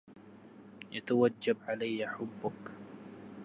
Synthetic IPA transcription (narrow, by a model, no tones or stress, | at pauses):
jat̪awad͡ʒːabʕalajːaħʊbːʊk